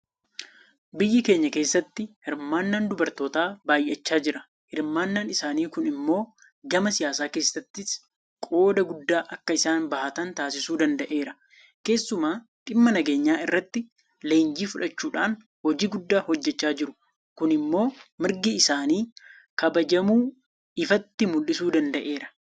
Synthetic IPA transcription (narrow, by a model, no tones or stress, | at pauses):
bɪjːɪke̞ːɲːɐke̞ːsːɐt̪ːɪhɪɾmaːnːɐnd̪ʊbɐɾt̪o̞ːt̪aːbaːjʔɛt͡ʃːaːd͡ʒɪɾɐ | hɪɾmaːnːanɪsaːniːkʊnɪmːo̞ː | ɡɐmɐsɪjaːsaːke̞ːsːɐt̪ːɪs | kʼo̞ːd̪ɐɡʊd̪ːaːʔɐkːɐɪsaːnbɐhɐt̪ɐnt̪aːsɪsuːd̪ɐnd̪ɐʔe̞ːɾɐ | ke̞ːsːʊmaː | ᶑ̪ʼɪmːɐnɐɡe̞ːɲːaːɪrːɐt̪ːɪ | le̞ːnd͡ʒiːfʊᶑɐt͡ʃːuːᶑaːn | hɔd͡ʒiːɡʊd̪ːaːhɔd͡ʒːɛt͡ʃːaːd͡ʒɪɾʊ | kʊnɪmːo̞ːmɪɾɡɪɪsaːniː | kɐbɐd͡ʒɐmuː | ɪfɐt̪ːɪmʊlʔɪsuːd̪ɐnd̪ɐʔe̞ːɾɐ̥